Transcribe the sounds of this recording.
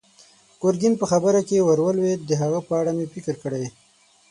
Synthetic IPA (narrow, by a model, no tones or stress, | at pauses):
koɾɡinpəxabəɾakewaɾwəlwed̪əɦaɣapəaɽamepɪkəɾkəɽaj